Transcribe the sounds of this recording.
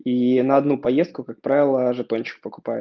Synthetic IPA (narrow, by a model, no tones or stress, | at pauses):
inəɐd̪nupɐjest̪̚kʊkak̚pɾavʲɪlˠəʐɨt̪onʲt͡ɕɪ̥k̚pəkʊ̥pajʊ